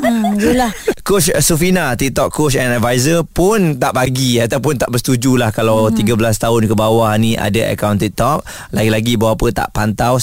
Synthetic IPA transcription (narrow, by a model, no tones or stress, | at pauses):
d͡ʒulahkot͡ʃsufinat̪ik̚t̪ɔkːot͡ʃɛnadvajzəpʊnt̪aʔbaɡiat̪awpʊnt̪aʔbəst̪ud͡ʒulahkalawt̪iɡabəlast̪aʊnkəbawahnĩʔa̰daʔə̰kawnt̪ik̚t̪ɔk̚ | laɡilaɡibawaapət̪a̰ʔpant̪aw